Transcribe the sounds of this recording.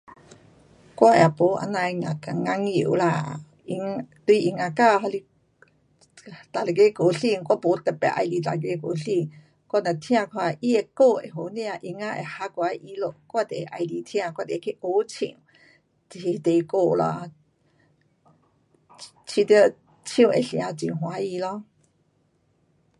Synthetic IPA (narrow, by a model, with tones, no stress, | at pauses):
kʷa˧˦ʔɛ˨po˨˦ʔa̰˧na˧jŋa˨ka˨ŋa˧˦ŋi˧˩˨wla˧˨ | i˧ŋt̪u˧˦ʔi˨ŋa˧ka˧ɦa˧li˧ | t̪a˨le˨ɡe˧˦ko˨ɬi˧˨ŋkʷa˧˦po˨˦t̪e˧˨pɛ̰˧˨ʔa̰˧jli˧˨ta˨ɡ̬e˧˦ko˨ɬi˧˨ŋ | kɔ˦˨na˨t̪ʰj̃ã˧˨kʰwa˧˨ʔi˦e˧˨ko˧˨ḛ˨ɦo˨˦ni˦˧a˧ʔi˧ŋa˧˦ʔḛ˨ha˧˦kwa˧˦˧ʔi˧˦lo˧˨ʔkwa˦˧˨t̪e˨˧ʔa˧jli˧t̪ʰj̃ã˧˨kwa˧˨t̪e˨˧˨kʰe˦ʔo˧˦t͡sʰḭ˧˨ŋ | ti˧t̪e˨˧ko˧˨lɔ̰˧˨ | t͡ʃʰi˧t̪ə˧ | t͡ʃʰĩ˧ḛ˨ɬi˧ã˧t͡sḭ˨ɦw̃a˨˧˦i˧lɔ˦